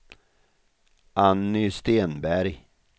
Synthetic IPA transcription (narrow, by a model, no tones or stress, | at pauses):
ʔanːʏst̪eːnbæɾj